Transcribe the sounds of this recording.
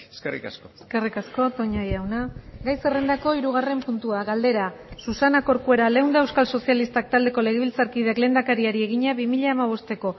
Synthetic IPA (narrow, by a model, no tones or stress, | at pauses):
eskerḭka̰skoeske̞rikasko̞t̪o̞ɲajawnaɡajse̞re̞nd̪ako̞iɾuɣ̞are̞mpunt̪uaɣald̪e̞ɾasusanako̞ɾkue̞ɾale̞wnd̪eewskalso̞sialist̪ak̚t̪ald̪e̞ko̞le̞ɣ̞eβilt͡saɾkið̞eakle̞ːnd̪akaɾiaɾie̞ɣ̞iɲaβimiʎaːmaβ̞o̞st̪e̞ko̞